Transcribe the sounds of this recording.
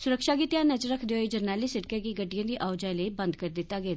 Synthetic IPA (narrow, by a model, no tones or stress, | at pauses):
suɾəkʂaɡit̪janəd͡ʑɾəkʰd̪jojid͡ʑəɾnaliseʈkaɡiːɡəɖijə̃nd̪iʔaʋd͡ʑajləibənd̪kəɾd̪it̪aɡet̪